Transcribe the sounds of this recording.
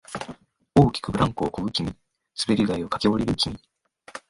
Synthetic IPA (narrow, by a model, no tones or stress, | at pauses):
o̞ːkʲi̥kɯ̟bɯ̟ɾãŋkoːkoɡɯ̟kʲiɲ̟i | sɨbe̞ɾʲiɡaio̞kḁkʲebo̞ɾʲiɾɯ̟kʲiɲʲi